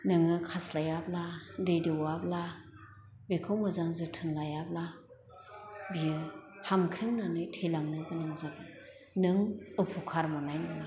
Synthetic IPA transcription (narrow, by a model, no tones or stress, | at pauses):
nɯŋɯkʰaslajabladejdɯwabla | bekʰɯwmɯzaŋzɯtʰɯnlajabla | bijɯhamkʰɾɯŋnanɯjtʰejlaŋnɯɡɯnɯŋzabɯ | nɯŋɯpʰukʰaɾmɔnajnɯna